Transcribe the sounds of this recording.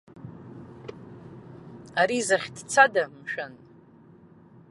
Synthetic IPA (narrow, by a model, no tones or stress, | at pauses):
aɾizaχʲdt͡sʰadamʃan